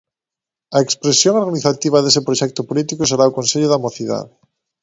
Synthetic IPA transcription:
ɐekspɾesjoŋoɾɣoniθat̪iβ̞aðesepɾoʃɛk̚t̪opolit̪ikoseɾaokonseʎʊðamoθiða̰ðe

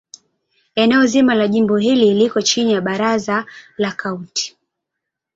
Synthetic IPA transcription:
ɛnɛɔzimalaʄimbɔɦililikɔt͡ʃinijaɓaɾazalakʰaunti̥

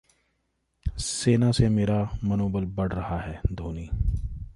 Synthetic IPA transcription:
seːnasemeːɾamɐnoːbəlbɐɽ̤ɾɐɦaɦɛːd̪ʱoːniː

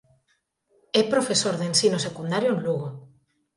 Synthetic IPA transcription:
ɛpɾofesoɾðensinosekund̪aɾjoenluɣo

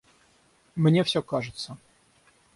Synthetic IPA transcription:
mnʲefsʲokaʐɨt̪sə

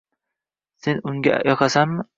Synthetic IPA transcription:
se̞nʊŋɡʲa̰jɒqasamːɪ

